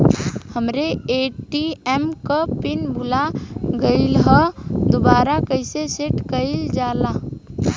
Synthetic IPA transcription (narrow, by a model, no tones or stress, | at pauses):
həmɾeeːʈiɛmkapɪnbʱʊlaɡəɪilɦəd̪obaːɾakəɪseseʈkəɪld͡ʒaːlaː